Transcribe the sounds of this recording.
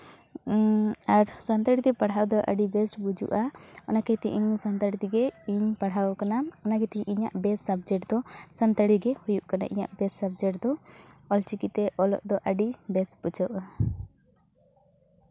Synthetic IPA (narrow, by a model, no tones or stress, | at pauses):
aɾsant̪aɽit̪ɛpaɽ̤awd̪ɔʔa̰ɖibɛsʈbud͡ʒṵʔaɔnakɛt̪ḭʔiɲsant̪aɽit̪iɡɛiɲpaɽ̤awkanaɔnakɛt̪iɲʔiɲa̰ʔbɛsabd͡ʒɛʈd̪ɔsant̪aɽiɡɛhujuʔkana̰ʔḭɲa̰ʔbɛsːab̚d͡ʒɛʈd̪ɔɔlt͡ʃikit̪ɛʔɔlɔ̰ʔd̪ɔʔaɖibɛsʈbud͡ʒɔʔa